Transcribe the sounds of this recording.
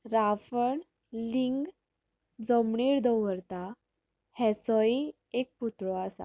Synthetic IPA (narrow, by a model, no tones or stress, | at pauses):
ɾafəɳ | liŋɡ | d͡zəmɳiːɾd̪ɔwəɾt̪a | hɛ̃t͡sɔi | ek̚put̪ɾɔasa̰